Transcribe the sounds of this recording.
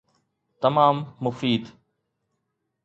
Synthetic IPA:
t̪ɐmaːmːʊfiːd̪

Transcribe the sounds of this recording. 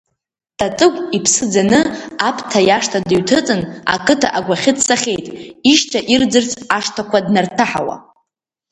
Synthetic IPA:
tʼat͡sʼɨkʷʼipʰsɨd͡zanɨapʰtʰajaʂtʰadɨɥtʰɨt͡sʼɨna̰kʼɨtʰa̰ʔaɡʷaχʲɪt͡sʰʼsaχʲe̞jtʼiʃtʰaʔird͡zɨrt͡sʼaʂtʰakʷʰadnartʰaħawa̰

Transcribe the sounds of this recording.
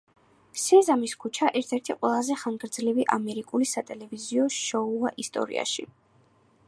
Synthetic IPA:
sɛzamiskʰut͡ʃʰaʔɛɾt̪ʰɛɾt̪ʰiqʼwɛlˠazɛχaŋɡɾd̪zliviʔamɛɾikʼulisat̪ʼɛlɛviziɔʃɔuaʔist̪ʼɔ̰ɾḭa̰ʃi

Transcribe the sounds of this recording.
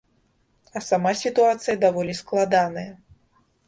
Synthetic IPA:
ɐsamasʲit̪uat̪sɨjɐd̪avɔlʲisklˠad̪anɐjɐ

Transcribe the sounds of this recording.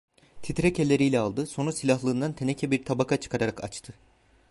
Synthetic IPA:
t̪ʰit̪ɾɛcʰelʲːe̞ɾijlʲɛalˠd̪ɯso̞nusilʲaɦlˠɯːnd̪ant̪ʰenecʰɛbiɾt̪ʰabakʰat͡ʃʰɯ̥kʰaɾaɾaka̰t͡ʃt̪ʰɯ

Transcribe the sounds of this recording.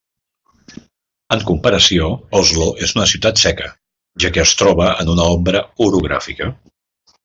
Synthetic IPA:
əŋkumpəɾəsioɔzloʔezunəsiwt̪at̪sɛkə | ʒakɛəst̪ɾɔβ̞əənunəɔmbɾəuɾuɣ̞ɾa̰fikə

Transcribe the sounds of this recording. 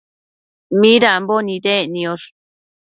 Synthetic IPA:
mĩɾambonĩdenĩoʂ

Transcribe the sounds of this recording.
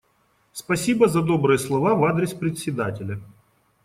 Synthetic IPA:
spɐsʲibəzɐd̪obɾɨjəslˠɐvavad̪ɾʲɪspɾʲɪt̪ʲsʲɪd̪atʲɪlʲɐ

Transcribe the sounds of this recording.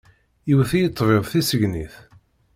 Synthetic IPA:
jiwθijət̪ˤːveðˤθisəʝniθ

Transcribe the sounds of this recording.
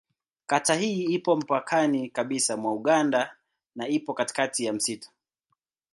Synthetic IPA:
katahiːipɔm̩pakʰanikaɓisamwauɠanda | naipɔkati̥katijam̩sitɔ̥

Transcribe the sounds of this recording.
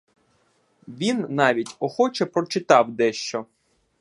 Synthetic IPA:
ʋʲinːɑʋʲitʲɔxɔt͡ʃɛpɾɔt͡ʃɪt̪ɑwd̪ɛʃt͡ʃɔ

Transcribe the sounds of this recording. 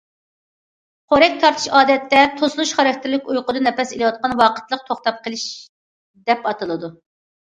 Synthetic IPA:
qʰoɾɛk̚ʲt̪ʰɑɾt̪ʰɨ̥ʃɑːd̪ɛt̪ːɛt̪ʰoslˠuʃχɑɾɑk̚ʲt̪ʰɪɾlɪkʲujqʊd̪ɨnɛpɛselˠɨwɑt̪̚qɑnwɑːqʰə̥t̪lˠəq̚t̪ʰoχt̪ɑp̚qʰəlˠɪʃ | d̪ɛpɑt̪ɨlˠɨd̪u

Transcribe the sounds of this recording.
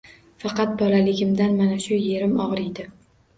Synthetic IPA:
fɑqɑt̪̚bɒlalɪɡʲɪmd̪anmanaʃʊje̞ɾɪmɒʁɾɪjd̪ɪ

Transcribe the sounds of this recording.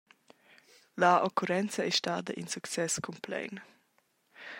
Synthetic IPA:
laʔokuɾɛnt͡sɐɛʃtaːd̪ɐʔinsukt͡sɛskʰɔmplɛ̰jn

